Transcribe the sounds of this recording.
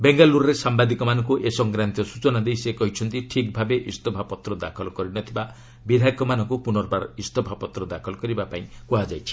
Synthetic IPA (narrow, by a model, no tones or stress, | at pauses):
beŋɡaluɾɔɾesambad̪ikɔmanɔŋkuʔesɔŋɡɾant̪ijɔsut͡ʃɔnad̪ejsekɔɦit͡ʃʰɔnt̪iʈʰikbʱabeʔist̪ɔbʱapɔt̪ɾɔd̪akʰɔlɔkɔɾinɔt̪ʰiba | bid̪ʱajkɔmanɔŋkupunɔɾɔbaɾist̪ɔbʱapɔt̪ɾɔd̪akʰɔlɔkɔɾibapaĩkuɦad͡ʒajt͡ʃʰi̥